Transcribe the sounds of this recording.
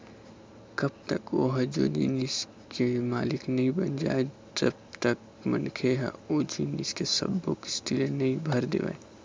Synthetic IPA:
kɐb̚t̪əkoɦɐd͡ʒo̰ːd͡ʒiːnis | kemaːlɪknɐɦĩbənd͡ʒa̰ːe | d͡ʒɐb̚t̪ək | mə̰nkʰeɦɛ̰od͡ʒiːniskesɐ̰bːoki̥sʈiːlenɐɦĩbʱɐɾd̪ḛːʋa̰e

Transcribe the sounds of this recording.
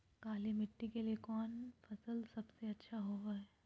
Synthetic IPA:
kaːlimɪʈːikeliekɔːnfɐsəlsɐbseɐtːʃʰaɦoːɡaːɛː

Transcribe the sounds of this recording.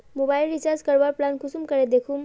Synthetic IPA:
mobailɖit͡ɕaɾd͡zkəɾʋaɾplankusuːmkəɾed̪ekʰuːm

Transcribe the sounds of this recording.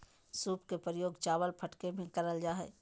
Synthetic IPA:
suːpkepəɾjoːɡt͡ʃaːʋəlpʰəʈkebʱĩkəɾəld͡ʒaːɦɛ̰ː

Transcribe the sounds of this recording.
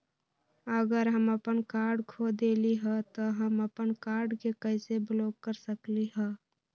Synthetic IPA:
əɡəɾɦəməpənkaːɾɖkʰod̪eːliɦɛt̪ɔɦəməpənkaːɾɖkekəɪsebloːkːəɾsəkliɦɛː

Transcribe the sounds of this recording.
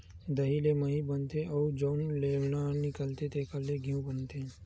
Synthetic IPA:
d̪əɦileməɦibənt̪eʔɔːd͡ʒɔːnlenanɪkəlt̪et̪ekəlːeɡʱijũbənt̪e

